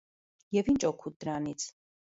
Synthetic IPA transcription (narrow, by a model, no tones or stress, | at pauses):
jɛvint͡ʃʼɔkʰud̪ɾanit̪sʰ